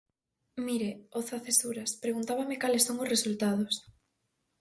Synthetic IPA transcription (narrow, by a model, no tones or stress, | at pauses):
miɾeoθaθesuɾaspɾeɣunt̪aβamɪkalesoŋʊsresult̪að̞ʊs